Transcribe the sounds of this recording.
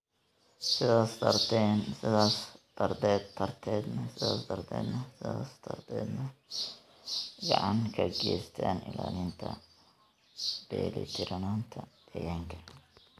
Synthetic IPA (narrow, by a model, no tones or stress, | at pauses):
sɪðaːst̪ʰɐrt̪ʰɛnsɪðaːsd̪̥ɐrd̪ɛːd̪t̪ʰːɐrt̪ʰɛːd̪nɐsɪðaːsd̪ɐrd̪ɛ̰ːd̪nɐsɪðaːst̪ʰɐrt̪ʰɛːd̪nɐ | ɡɑʕɑŋkʰɐɡɛːst̪ʰaːnɪlaːlɪnt̪ʰɐ | b̥ɛːlḭt̪ʰɪɾɐnaːnt̪ʰɐd̪ɐjaːŋkʰɐ